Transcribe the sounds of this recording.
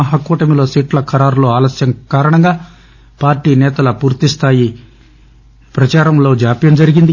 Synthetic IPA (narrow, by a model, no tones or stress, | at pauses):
ɐɦɐkːuːʈɐmilo̞ːsiːʈlɐkʰɐɾaːɾlo̞ːaːlɐsjɐmkaːɾɐɳɐŋɡaː | paːɾʈiːnɛːt̪ɐlɐpuːɾt̪ist̪ʰaːji | pɾɐt͡ʃaːɾɐmlo̞ːd͡ʒaːpjɐnd͡ʒɐɾiɡind̪i